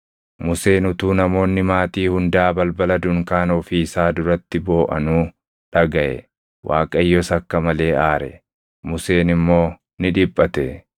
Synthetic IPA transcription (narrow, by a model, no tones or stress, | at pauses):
mʊse̞ːnʊt̪uːnɐmo̞ːnːɪmaːt̪iːhʊnd̪aːbɐlbɐlɐd̪ʊŋkaːnɔfiɪsaːd̪ʊɾɐt̪ːɪbo̞ːʔɐ̰nuː | ᶑɐɡɐʔɛ̰ | wʔa̰ːkʼɐjːɔsɐkːɐmɐle̞ːʔaːɾɛ̰ | mʊse̞ːnɪmːo̞ː | nɪᶑɪpʼːɐt̪ɛ